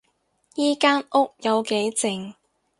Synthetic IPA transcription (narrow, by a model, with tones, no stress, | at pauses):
jiː˥kaː˥nʔʊ˥k̚jɐ˨˧wke˨˥jt͡sɪ˨ŋ